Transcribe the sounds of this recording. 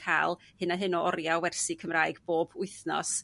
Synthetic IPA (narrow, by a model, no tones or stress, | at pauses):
kʰa̰ːlˠhɨnaɦɨnɔʔɔɾjawɛrsikʰəmraːɨɡboːbʊɨθnɔ̰s